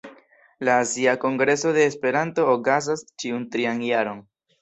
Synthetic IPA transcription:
laːziako̞ŋɡɾe̞so̞de̞ːspe̞ɾanto̞ːkazast͡ʃiuntɾianjaɾo̞n

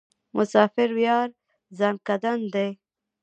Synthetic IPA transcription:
mʔʊsɑːfɪɾwjɑːɾ | zamkad̪and̪e

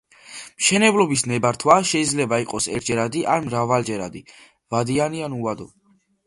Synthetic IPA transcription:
mʃɛnɛblɔbisnɛbaɾt̪ʰwaʃɛid̪zlɛbaiqʼɔsɛ̰ɾt̪ʰd͡ʒɛɾad̪iʔanmɾavald͡ʒɛɾa̰d̪i | vad̪ianianuad̪ɔ

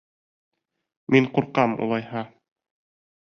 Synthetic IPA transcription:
miɴquɾqɑmṵlˠɑjhɑ

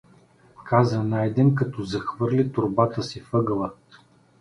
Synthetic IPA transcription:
kʰazənajd̪ɛnkɐt̪ɔzɐxvɤɾlit̪ʊɾbat̪əsifɤɡəlˠə

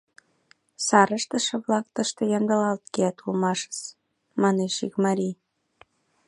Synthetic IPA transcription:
sɑɾəʃt̪ə̆ʃɤ̆βlɑk̚t̪əʃt̪ɤ̆jɑnd̪əlɑlt̪keæt̪ulmɑʃə̥t͡s | mɑneʃikmɑɾʲi

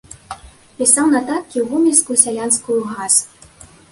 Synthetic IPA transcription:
pʲisawnɐt̪at̪̚kʲiwɣumʲilʲskusʲalʲanskujuɣas

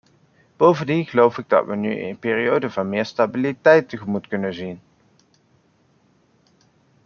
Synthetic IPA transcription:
b̥owvəndinχəlowfɪɡ̚dɑ̰tʋəny̰ɪ̰npɪːriowdəvɑnmɪːɹstabilitɛjtəχəmutkɵnəzin

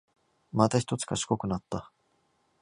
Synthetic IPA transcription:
mat̪açʲi̥t̪o̞t͡sɨ̥kaɕi̥ko̞kɯ̟nat̪ːa

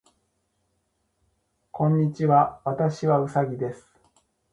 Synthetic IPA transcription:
kʰõ̞ɲ̟ːit͡ɕiβaβat̪aɕiβaɯ̟saɡʲid̪e̞sɨ̥

